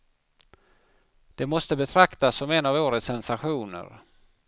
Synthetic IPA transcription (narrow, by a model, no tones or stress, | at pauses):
d̪̥ɛmɔst̪əbɛt̪ʰɾakt̪asːɔmɛnːavoːɾət̪sɛnsaɧuːnə̰ɾ